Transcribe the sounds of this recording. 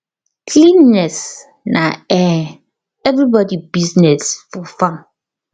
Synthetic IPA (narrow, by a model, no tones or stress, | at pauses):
kʰlinːɛs | nʔaɛ | ɛvɹibɔdibiznɛsfɔfãm